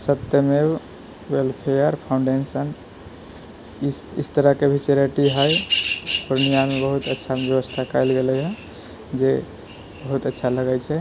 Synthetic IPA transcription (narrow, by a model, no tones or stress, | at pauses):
sət̪ːjəme | welpʰejəɾpʰaw̃ɳɖensən | ḭst̪əɾəkebʱit͡ʃeɾeʈiɦəjpɾnijamebəɦut̪ətːʃʰabjəβəst̪ʰakəjlɡelɛɦə | d͡ʒe | bəɦut̪ətːʃʰaləɡajt͡ʃʰɛ